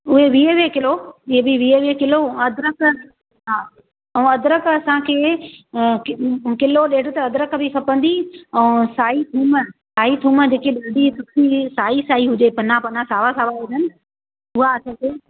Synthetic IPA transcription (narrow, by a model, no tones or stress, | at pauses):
ʊɦeʋiːeʋekɪloʊɦebɪʋiːeʋekɪloɐd̪ɪɾək | ɦaː | ɛ̃ɐd̪ɾəkɐsãkʰeː | kɪloɗeːɽot̪ɐɐd̪ɾəkbʱɪkʰɐpə̃nd̪iɛ̃ːsaːit̪ʰuːməsaːɦit̪ʰuːməd͡ʑeːkeɗɐːɖisʊkʰisaːisaːiɦʊd͡ʑepɐnapɐnasaːʋasaːʋaʊd̪ənɪ̆ | ʊɦaɐsãkʰeː